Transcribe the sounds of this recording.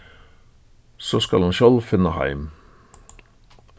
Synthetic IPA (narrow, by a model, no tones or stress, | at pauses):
soːskɑlɑnʃɔlfɪnəhæ̰ɪm